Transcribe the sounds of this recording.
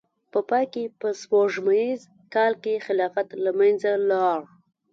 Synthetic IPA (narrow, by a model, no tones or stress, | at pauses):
pəpɑjkepəswoʐmajiz | kɑlkexɪlɑfat̪lamanzalɑɽ